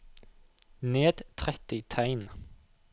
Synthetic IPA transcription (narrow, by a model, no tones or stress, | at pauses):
neːd̪̥t̪ʰʁɛt̪ɪt̪ʰæɪn